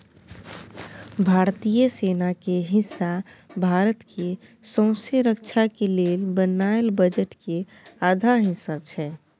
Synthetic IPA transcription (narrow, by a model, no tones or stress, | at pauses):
bʱaɾt̪ijəsenakeɦɪ̃sːabʱaɾət̪kʰe | sə̃ʊ̃seɾəkt͡ʃʰakelelbənaelbəd͡ʒəʈke | ad̪ʱaɦĩsat͡ʃʰɛ